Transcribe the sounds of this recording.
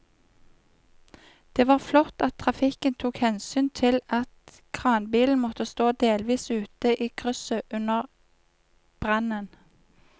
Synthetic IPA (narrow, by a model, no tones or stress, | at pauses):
d̪̥eːʋɑːʁflɔt̪ɑt̪̚ʰʁɑfɪkənt̪ʰuːkhɛnsyːnt̪ʰɪlɑt̪ | kʰʁɑːnbiːln̩mɔt̪əst̪oːd̪eːlʋiːsʉːt̪əʔiːkʰʁʉsəʔʉnəʁ | b̥ʁɑnən